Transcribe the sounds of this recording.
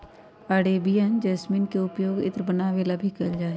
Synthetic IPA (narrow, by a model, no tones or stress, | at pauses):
aɽeːbijənd͡ʒɛːsmiːnkeʊpjoːɡɪ̰t̪ɾəbənaːʋelabʱikəld͡ʒaːe